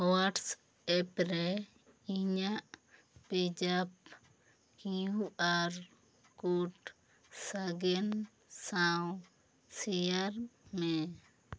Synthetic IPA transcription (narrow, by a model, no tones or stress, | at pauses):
waʈs | ɛpɾɛ | iɲaʔ | pɛd͡ʒap̚ | kiuʔaɾ | kuʈ | saɡɛn | saw | sɛjaɾmɛ